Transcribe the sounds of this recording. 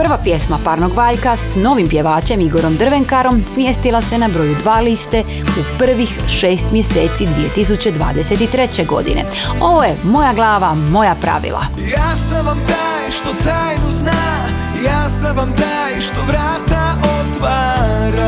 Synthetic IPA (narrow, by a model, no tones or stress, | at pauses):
prʋapje̞smapaɾno̞ɡʋaːʎkasno̞ʋimpje̞ʋaːt͡ɕe̞miɡo̞ɾo̞md̪r̩ʋe̞ŋkaɾo̞msmjest̪ilˠase̞nabɾo̞jud̪ʋaːlist̪e̞ | upr̩ʋixʃeːst̪mje̞seːt̪sid̪ʋije̞t̪isut͡ɕe̞d̪ʋa̰ːd̪e̞se̞t̪it̪ɾe̞t͡ɕeɡo̞̰d̪ḭnʔe̞̰ | o̞ʋo̞je̞mo̞jaɡlˠaːʋamo̞japɾa̰ʋḭlˠa̰ | jaːsaʋamd̪ajʃt̪ot̪aːjnuzna | jaːsaʋamd̪ajʃt̪oʋɾaːt̪aʔot̪ʋaɾa